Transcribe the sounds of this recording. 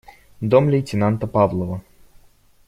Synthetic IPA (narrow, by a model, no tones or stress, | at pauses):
d̪omlʲejtʲɪnant̪əpavlˠəvə